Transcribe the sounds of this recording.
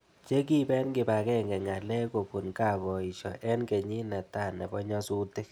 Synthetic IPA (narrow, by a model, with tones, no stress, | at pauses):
t͡ʃe˦ki˦bɛ˦nkɪ˨ba˨kɛ˦ŋɡɛ˨ŋa˨lɛ˦ko˨ku˨nka˦˨bɔ˨i˨ʃɔ̰˨ʔɛ˦nke˨ɲi˦nɛ˨ta˦˨nɛ˨bɔ˦ɲɔ˦su˦te˦